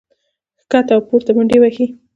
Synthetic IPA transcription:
xkat̪awpoɾt̪abʊɳɖewaxi

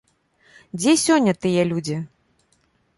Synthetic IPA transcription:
d͡zʲɛsʲɔnʲːɐt̪ɨjɛlʲud͡zʲi

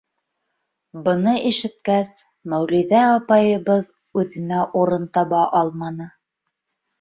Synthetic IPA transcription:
bɤ̆nɤʔiʃɘ̆t̪̚kæs | mæwliðæɑpɑjɤ̆βɤð | ʉðɘ̆næʔuɾɤnt̪ɑβɑʔɑlˠmɑnɤ

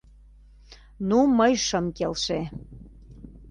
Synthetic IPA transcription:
numəjʃəmkelʃe

